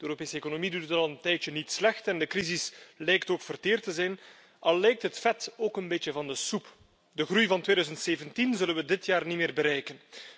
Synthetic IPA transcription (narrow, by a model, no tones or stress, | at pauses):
dəøːɾopeːsəekonomiduttɑlˠəntɛjt͡ʃənitslɛxtɛndəkrizɪslɛjktoːkfərteːrtəzɛjn | ʔɑlˠːɛjk̚tɦətfɛtoːkənbeːt͡ʃəvɑndəsup | dəɣrujvɑntʋeːdœːzəntseːvəntinzɵlənʋədɪtjaːrnimɪːrbəɾɛjkən